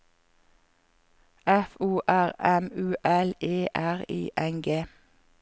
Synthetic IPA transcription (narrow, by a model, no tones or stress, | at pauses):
ɛfuːʔæʁɛmʉːʔɛleːʔæʁḭːʔɛŋɡeː